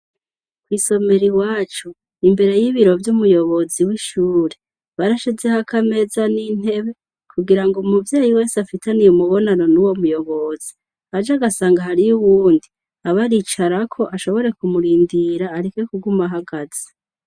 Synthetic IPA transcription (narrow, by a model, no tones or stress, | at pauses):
kwiːso̞me̞ɾiwaːt͡ʃu | imbe̞ɾe̞jiβiɾo̞vjumujo̞βo̞ziwiʃuːɾe̞ | βaɾaʃezehakʰame̞ːzanin̥e̞βe̞ | kʰuɡiɾaŋɡomuvjeːjiwe̞ːsafitanijumuβo̞nanonuwo̞mujo̞βo̞z̥i̥ | ad͡ʒaɡasaːŋɡaɦaɾijuβuːndi | aβaɾit͡ʃaɾakʰo̞ʔaʃo̞βo̞ɾe̞kumuɾiːndiɾaːɾikokuɡumaɦaɡaz̥e̥